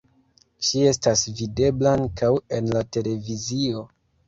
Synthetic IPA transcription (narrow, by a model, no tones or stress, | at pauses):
t͡ʃie̞stasvide̞blankawe̞nlate̞le̞vizio̞